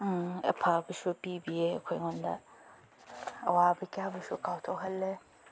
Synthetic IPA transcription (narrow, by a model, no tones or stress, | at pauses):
ɛ̰pʰabɨʃobibiekʰʷɔjŋɔnda̰ | a̰wabɨkʲaabɨʃokatʰoɦɐlːɛ